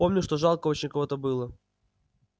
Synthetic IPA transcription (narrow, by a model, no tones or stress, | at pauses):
o̞mnʲʊʂt̪oʐalˠkəot͡ɕɪnʲkɐvot̪əbɨlˠə